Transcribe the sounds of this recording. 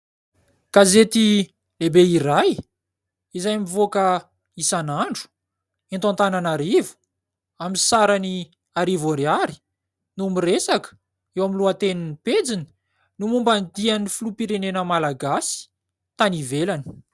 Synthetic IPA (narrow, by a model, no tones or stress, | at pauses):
kazet̪i | lebeiɾaj | izajmivoka | isanaɳɖ͡ʐu̥ | int̪ant̪ananaɾivu̥ | aminsaɾani | aɾivoɾeaɾi̥ | numiresakə̥ | ewaminluat̪eniniped͡zini̥ | numumband̪ianifulupiɾenenəmalaɡasi̥ | t̪anivelani̥